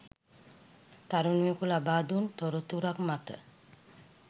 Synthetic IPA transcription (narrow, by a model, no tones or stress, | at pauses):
t̪aɾunijekulabaːd̪unt̪oɾot̪uɾakmat̪ə̰